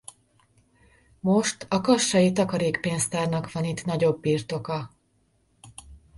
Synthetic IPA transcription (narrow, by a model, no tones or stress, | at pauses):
mo̞ʃt̪ɒkɒʃːɒjit̪ɒkɒɾeːkpeːnst̪aːrnɒkʋɒnit̪nɒɟo̞bːiːrt̪o̞kɒ